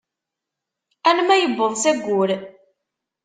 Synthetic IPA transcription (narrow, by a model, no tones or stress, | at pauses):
ænmæjəbːəðˤsæɡʷːʊɾ